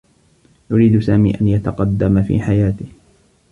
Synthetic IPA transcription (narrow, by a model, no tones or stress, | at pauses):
jʊɾiːd̪ʊsaːmḭːʔanjat̪ɑqɑd̪ːamfḭːħajaːt̪ɪh